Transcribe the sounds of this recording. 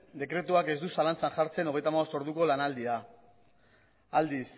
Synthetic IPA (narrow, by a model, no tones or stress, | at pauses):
d̪e̞kɾe̞t̪uake̞zd̪usalant͡sanʝaɾt͡se̞no̞ɣ̞ejt̪amaɣo̞st̪o̞ɾðuko̞lanald̪ia | ald̪is